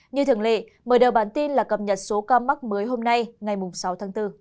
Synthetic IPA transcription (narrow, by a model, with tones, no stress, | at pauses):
ɲɨ˧t̪ʰɨ˧˨ŋlḛ˧˨ | məː˨˩jɗəː˨˩wɓaː˧˩nt̪i˧nlaː˨˩kə˧˩p̚ɲə˨˩t̚so˨˦kaː˧mːa˦˥k̚məː˨˦jɦo˧mna˧jŋa˨˩jmʊ˨˩ŋ͡msa˨˦wt̪ʰaː˨˦ŋt̪ɨ˧